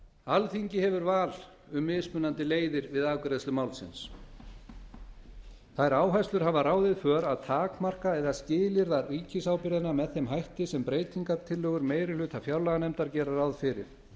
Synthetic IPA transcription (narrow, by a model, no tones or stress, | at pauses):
alθiɲcɪhɛvʏɾvaːl | ʏmːɪːspʏnːant̪ɪleːjðɪɾvɪðaːkʏɾeðst̪ʏmaːwlsɪ̰ns | θajɾaːwɦajslʏɾ̥ɦavaraːwðɪðfœːɾaðt̪ʰaːkmar̥kaɛðascɪːlɪɾðariːcɪsaːwpɪɾðɪnamɛðθejmɦajht̪ɪsɛmpɾeːjt̪iŋkaɾt̪ʰɪlːœːɣʏɾmeːjɾɪlʏːt̪ʰafjawɾlaɣanɛmt̪aɾcɛːɾaɾawðfɪɾɪ̰ɾ̥